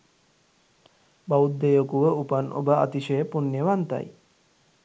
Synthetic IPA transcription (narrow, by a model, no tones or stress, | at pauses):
baud̪ːejokuʋəupənʔo̰bəa̰t̪iʃejəpunːeʋant̪a̰j